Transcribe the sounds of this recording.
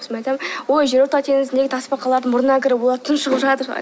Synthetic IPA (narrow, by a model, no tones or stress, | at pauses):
smɑjt̪ɑmwojʒe̞ɾoɾt̪ɑt̪ʰe̞ŋɪzɪnd̪eɡɪt̪ʰɑspɑqɑlˠɑɾd̪əɴmʊɾənɑkʲʰɪɾɪwolˠɑɾt̪ʰənʃəʁəpʒɑt̪əɾ̰